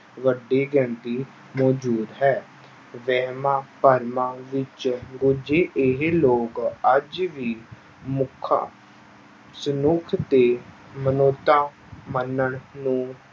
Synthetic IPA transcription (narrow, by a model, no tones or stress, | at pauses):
ʋəɖeːɡəɳʈiː | mɔːd͡ʒuːd̪ɦɛː | ʋɛːɦmãːpəɾmãːʋɪt͡ʃɡʊd͡ʒeːʔɪɦeloːkəd͡ʒʋiː | mʊkʰːã̰ː | sənʊkʰt̪eː | mənoːt̪ːãː | mənːəɳnũː